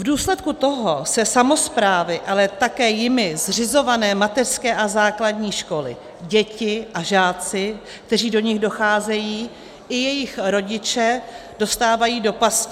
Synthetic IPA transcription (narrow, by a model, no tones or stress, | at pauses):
vduːslɛt̪̚kut̪o̞ɦosɛsamo̞spɾaːvɪʔalɛt̪akɛːjɪmɪzr̝ɪzo̞vanɛːmat̪ɛr̥skɛːʔazaːkladɲiːʃko̞lɪ̰ | ɟɛcɪʔaʒaːt͡sɪ | k̚t̪ɛr̝iːdoɲɪɣdo̞xaːzɛjiː | ʔɪjɛjɪxɾo̞ɟɪt͡ʃɛd̥o̞st̪aːvajiːdo̞pas